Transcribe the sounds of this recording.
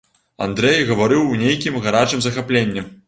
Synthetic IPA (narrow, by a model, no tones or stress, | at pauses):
a̰nd̪ɾɛjɣɐvaɾɨwnʲejkʲimɣaɾat͡ʂɨmzɐxaplʲenʲːɛ